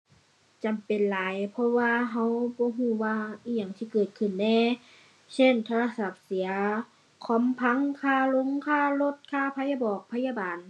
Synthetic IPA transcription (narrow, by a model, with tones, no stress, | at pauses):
t͡ɕa˨mpe˨nlaː˨˦jpʰɔ˧waː˧ɦa˧˥wbɔː˧˦ɦuː˧˩waː˧i˧˨ɲa˨˩˨ŋt̪ʰiː˧kɤː˨˩t̪̚kʰɯ˧˩˨nːɛː˧˩˨ | se˧˥˨nt̪ʰa˧a˧sa˧˩p̚si˨˦ɐ | kʰɔ˧˥˨mpʰa˧˥˨ŋkʰaː˧˩˨lo˧˥˨ŋkʰaː˧˥˨lo˧˥˨t̪̚kʰaː˧˨pʰa˧˥ja˧bɔː˨˩k̚pʰa˧jaː˧baː˨n